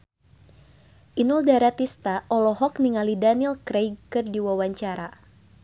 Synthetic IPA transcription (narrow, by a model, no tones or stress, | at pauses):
ʔinuldaɾat̪ist̪aʔɔlɔɦɔkniŋalidanilkɾejɡkɨrdiwawaɲt͡ʃaɾa